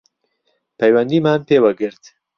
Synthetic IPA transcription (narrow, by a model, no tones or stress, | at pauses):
pʰɛjwɛnd̪iːmaːnpeːwɐɡɨɾt̪